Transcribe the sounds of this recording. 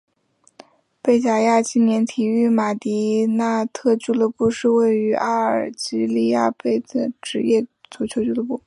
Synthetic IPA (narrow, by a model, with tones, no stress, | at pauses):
pe˥˩ɪt͡ɕja˨˩ja˥˧t͡ɕi˥˩njɛ˧˥nt̪ʰi˨˩y˥˩ma˨˩t̪i˧˥na˥˧t̪ʰɤ˥˧t͡ɕu˥˩lɤ˧pu˥˧ʂɻ̩˥˧we˥˩ɪy˧˥ʔa˥ə˞˨˩t͡ɕi˧˥li˥˧ja̰˥˧pe˥˩ɪd̪ə˩ʈ͡ʂɻ̩˧˥jɛ˥˩t͡su˨˩t͡ɕʰjo˧˥ʊt͡ɕy˥˩lɤ˧˥pu˥˩